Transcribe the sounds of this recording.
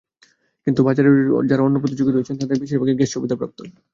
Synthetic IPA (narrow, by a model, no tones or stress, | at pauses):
kint̪ubad͡ʑaɾḛd͡ʑaɾaonːopɾot̪id͡ʑuɡiɾoet͡ɕʰent̪ad̪eɾbiʃiɾbaɡeɾɡeʃt͡ɕʰobid̪ʱapɾa̰p̚t̪o̰